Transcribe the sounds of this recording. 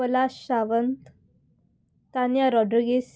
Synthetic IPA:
əlaɕaʋənt̪ | t̪anjaɾɔɖɾiɡes

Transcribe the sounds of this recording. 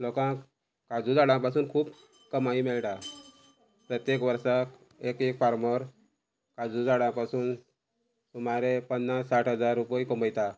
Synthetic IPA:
lokã | kad͡zud͡zaɽãpasuːnkʰuːp | kəmaimɛɭʈa | pɾət̪jekʋəɾsak | ekekfaɾməɾ | kad͡zud͡zaɽãpasuːn | sumaɾepənːassaʈɦəd͡zaɾːupikoməjt̪a

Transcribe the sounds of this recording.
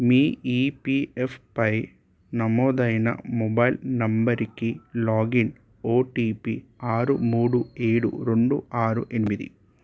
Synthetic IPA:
miːiːpiefʰpɐj | nɐmɔːd̪ɐjnɐ̰mɔbɐjlnɐmbɐɾikilaːɡin | oːʈiːpiaːɾumuːɽueːɽṵɾeɳɖuaːɾuʔe̞nimid̪ḭ

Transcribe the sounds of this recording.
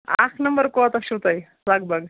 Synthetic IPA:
a̰kʰnəmbəɾkoat̪aʃut̪aj | laɡbaɡ

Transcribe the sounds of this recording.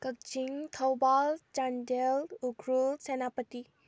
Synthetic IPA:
kək̚t͡ʃiŋt̪ʰəwbalt͡ʃandeluɡʱɾulsenapət̪i

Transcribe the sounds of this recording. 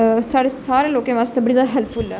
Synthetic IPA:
saːɽesaːɾẽloːkẽːʋaːst̪ebəɽid̪aɦɛlpʰful

